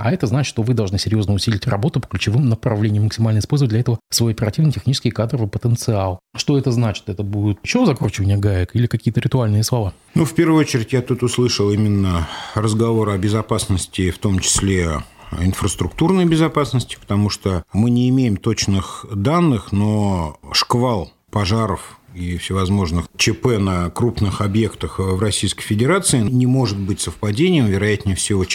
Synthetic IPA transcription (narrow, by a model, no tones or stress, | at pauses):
ɐ̰ɛt̪əznat͡ɕɪt̪ʂt̪ovɨd̪ɐlˠʐnɨsʲɪɾʲjo̞znəʊsʲilʲɪtʲrɐbo̞t̪ʊpə̥klʲʉt͡ɕɪvɨmnəpɾɐvlʲenʲɪjəmːəksʲɪmalʲnəjɪspo̞lʲzvədlʲɐɛt̪əvəsvojɐpʲɪɾɐtʲivnətʲɪxnʲit͡ʃɪskʲɪjkad̪ɾəvɨjpət̪ənt̪sɨalˠʂt̪o̞ɛt̪əznat͡ɕɪ̥t̪ɛt̪əbudʲɪt̪t͡ɕɪozɐkrut͡ɕɪvənʲɪjəɡaɪkilʲɪkɐkʲijət̪əɾʲɪt̪ʊalʲnɨjəslˠɐva | nufpʲe̞rvəɨot͡ɕɪɾʲɪtʲjat̪ut̪ʊslˠɨʂəlˠimʲɪnːərəzɡɐvo̞ɾəɐbʲɪzɐpasnəsʲtʲɪft̪omt͡ɕɪ̥sʲlʲeɪnfɾəst̪ɾʊk̚t̪urnəjbʲɪzɐpasnəsʲtʲɪ̥pə̥t̪ɐmuʂt̪omɨnʲɪːmʲejɪmt̪ot͡ɕnɨxd̪anːɨxnoʂkvalˠ | pɐʐaɾəfifsʲɪvɐzmo̞ʐnɨxt͡ɕɪpɛnəkɾupnɨxɐbje̞kt̪əxvrɐsʲijskəjfʲɪdʲɪɾat̪sɨɪnʲɪmo̞ʐɨt̪̚bɨtʲsəfpɐdʲenʲɪjəmvʲɪɾɐjætʲnʲɪfsʲɪo